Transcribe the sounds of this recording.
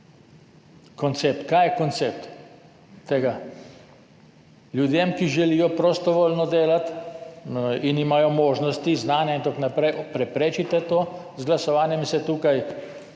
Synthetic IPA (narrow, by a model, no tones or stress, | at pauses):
kɔnt̪seːp̚t̪kaːjɛkɔnt̪seːp̚t̪ | t̪ːeɡa | ljud̪jemkiʒɛlijɔpɾost̪ɔʋoːlnɔd̪eːlat̪ | inimajɔmoːʒnɔst̪iznaːnjaint̪akonapɾɛjʔɔpɾɛpɾeːt͡ʃit̪ɛt̪oːzɡlasɔʋaːnjɛmsɛt̪uːkaj